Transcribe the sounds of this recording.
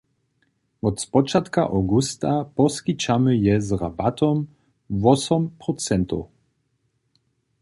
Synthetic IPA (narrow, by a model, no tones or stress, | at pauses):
ɔt̪spɔt͡ʃat̪kaʔɔɡust̪apɔskit͡ʃamɨjɛzrabat̪ʰɔm | vɔsɔmpɾɔt͡sɛnt̪ɔ̰